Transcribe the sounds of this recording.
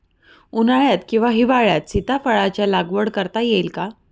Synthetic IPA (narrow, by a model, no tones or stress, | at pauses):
unaɭjat̪kĩw̃ʋaɦiʋaɭjat̪sit̪afəɭat͡ɕjalaɡʋəɽkəɾt̪ajelka